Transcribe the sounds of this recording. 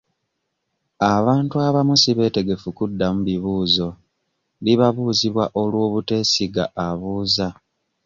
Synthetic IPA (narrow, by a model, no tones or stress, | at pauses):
aβaːntuaβamusiβe̞ːte̞ɡe̞fukudːamuβiβuːzo̞ | liβaβuːziβwaʔo̞lwo̞ːβute̞ːsiɡaʔːβuːza